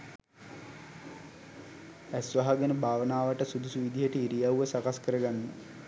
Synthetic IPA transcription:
æsʋaɦaɡenəbʱaːʋənaːʋəʈəsud̪usuʋid̪ijəʈəiɾijawʋəsakaskəɾəɡanːə

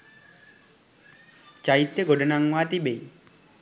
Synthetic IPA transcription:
t͡ʃait̪ːeɡoɖənaŋwat̪ibej

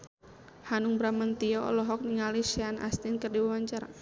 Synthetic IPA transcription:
hanuŋbɾamant̪iɔɔ̰lɔɦɔk̚niŋaliʃana̰st̪inkərdiwawaɲt͡ʃaɾa

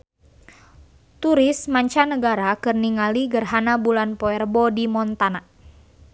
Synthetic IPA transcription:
t̪uɾɪsmaɲt͡ʃanəɡaɾakɨrniŋaliɡərɦanabulanpɔɛrbɔdimɔnt̪ana

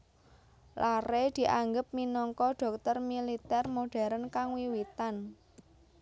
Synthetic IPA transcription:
lʔared̪̥i̤ʔaŋɡəp̚minɔŋkɔɖ̥ɔ̤k̚t̪ɔrmilit̪ɛrmoɖ̥a̤ɾənkaŋwiwit̪an

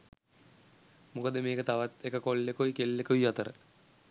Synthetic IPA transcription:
mukəd̪əmeːkət̪aʋat̪ekəkolːekoikelːekuiat̪əɾə

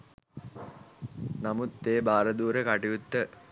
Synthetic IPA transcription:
namut̪ːeːbaːɾəd̪uːɾəkaʈiut̪ːə

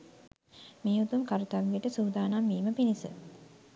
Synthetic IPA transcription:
meːut̪umkaɾut̪aʋiəʈəsuːd̪aːnamːiːməpinisə̰

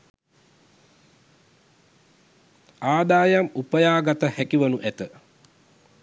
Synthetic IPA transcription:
aːd̪aːjamupəjaːɡat̪əhɛkiʋɐnuʔæt̪ə

